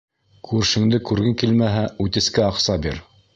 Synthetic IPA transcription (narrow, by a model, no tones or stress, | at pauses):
kʰʉɾʃɘ̆ŋd̪ɘkʉɾɡɘŋkilmæɦæʉt̪ɘ̆skæɑqsɑbḭɾ